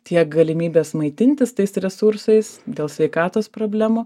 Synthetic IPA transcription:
t̪ʲiɛk̚ɡɐlʲɪmʲiːbʲeːsmɐɪt̪ʲɪnʲt̪ʲɪst̪ɐɪsɾʲɛsʊɾsɐɪsd̪ʲeːlˠsʲʋʲɛɪkɑːt̪oːspɾoːbʲlʲæːmuː

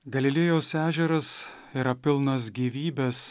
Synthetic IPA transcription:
ɡɐlʲɪlʲɪjoːsæːʒʲɛɾɐs | iɾɐpʲɪlˠnɐs̬ɡʲiːʋʲiːbʲɛs

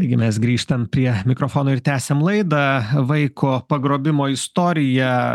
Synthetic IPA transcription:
ɐɪɡʲɪmʲɛsɡɾʲiːʃt̪ɐmpʲɾʲiɛmʲɪkɾoːfoːnoːɪɾt̪ʲæːsʲemlˠɐɪd̪ɐʋɐɪkʰoːpɐɡɾoːbʲɪmoːɪst̪oːɾʲɪjɛ

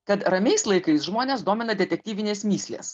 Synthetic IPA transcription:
kɐt̪ɾɐmʲɛɪslˠɐɪkɐɪsʒmoːnʲeːsd̪oːmʲɪnɐd̪ʲɛt̪ʲɛk̚ʲt̪ʲiːʋʲɪnʲeːsmʲiːsʲlʲḛːs

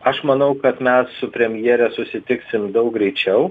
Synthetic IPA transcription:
ɐʃmɐnɐʊkɐt̪mʲɛssʊpʲɾʲɛmʲjiːɾʲɛsʊsʲɪt̪ʲɪksʲɪmd̪ɐʊk̚ɡɾʲɛɪt͡ʃʲɛʊ

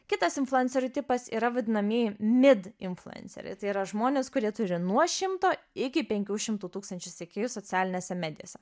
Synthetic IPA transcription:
kʲɪt̪ɐsɪnflˠʊɛnʲsʲɛɾʲuːt̪ʲɪpɐsḭːɾɐʋɐd̪ʲɪnɐmʲiɛjɪmʲɪd̪ɪnflˠʊɛ̰nʲsʲɛ̰ɾʲɛ̰t̪ɐɪiɾɐʒmoːnʲeːskʊɾʲiɛt̪ʊɾʲɪnuɔʃʲɪmt̪oːɪkʲɪpʲɛŋʲkʲuːʃʲɪmt̪uːt̪uːkst̪ɐnʲt͡ʃʲʊsʲekʲeːjusoːt͡s̪ʲæːlʲɪnʲeːsʲɛmʲæːd̪ʲɪjo̰ːsʲɛ

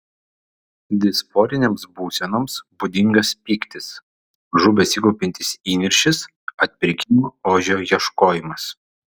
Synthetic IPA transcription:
d̪ʲɪspoːɾʲɪnʲeːmsbuːsʲɛnomsbud̪ʲɪŋɡɐspʲiːkt̪ʲɪs | ʒʊbʲɛsʲikɔʊpʲɪnʲt̪ʲɪsiːnʲɪɾʲʃʲɪs | ɐt̪ʲpʲɪɾʲɪkʲɪmuːoːʒʲoːjiɛʃkoːjɪmɐs

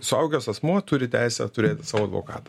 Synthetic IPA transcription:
sʊɐʊɡʲoːsɐsmuɔt̪ʊɾʲɪt̪ʲæɪsʲɛ̰t̪ʊɾʲeːt̪ʲsɑːʋoːɐd̪ʋo̰ːkɑ̰ːt̪ɐ̥

